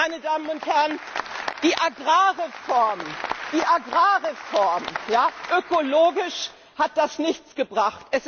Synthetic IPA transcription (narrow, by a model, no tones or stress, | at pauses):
aɪnədaːmənʊnthɛɐənd̥iːʔaɡʁaːʁefɔɐmd̥iːʔaɡʁaːʁefɔɐmjaːʔøkoloːɡɪʃ | hat̚d̥asnɪçt͡sɡ̥əbʁaχtʔɛs